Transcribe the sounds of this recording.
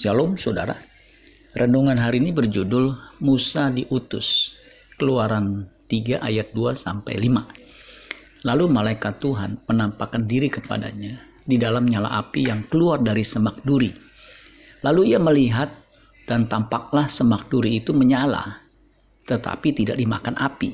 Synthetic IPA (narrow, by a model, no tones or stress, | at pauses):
salɔmsoda̰ɾa | rənduŋanɦaɾinibərd͡ʒudʊlmusadiʔut̪ʊs | kəluaɾant̪iɡaʔajat̪̚duasa̰mpa̰jlima | lalumalaikat̪ːuɦanmənampakandiɾikəpa̰da̰ɲa | didalamɲala̰ʔapijaŋkəluardaɾisəmak̚duɾi | laluiaməliɦat̪̚ | d̥ant̪ampak̚lahsəmak̚duɾiːt̪uməɲala̰ | t̪ət̪a̰pit̪idak̚dima̰kanʔa̰pḭ